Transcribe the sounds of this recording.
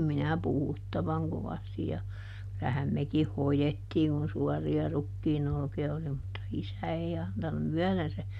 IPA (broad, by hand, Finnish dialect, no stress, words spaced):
minæ puhutːɑʋɑŋ koʋɑsti jɑ kylæhæm mekih hojetːiːŋ kun̞ suɔriɑ rukːiːn olkiɑ oli mutːɑ isæ ei ɑntunu myœˑðen se